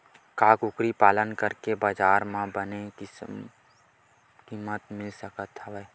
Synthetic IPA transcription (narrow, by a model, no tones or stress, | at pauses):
kaːkʊkɾipaːlənkəɾkebaːd͡ʒaːɾmãbəneks | kiːmət̪mɪlsəkət̪ɦɛʋə